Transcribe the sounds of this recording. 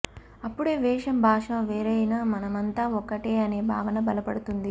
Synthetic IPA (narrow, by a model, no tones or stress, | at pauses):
ɐpːuɽeːʋɛːʂɐmbʱaːʂɐʋeːɾɐjnaːmɐnɐmɐnt̪aːɔkːɐʈeːɐne̞ːbʱa̰ːʋɐnɐbɐlɐpɐɽut̪und̪i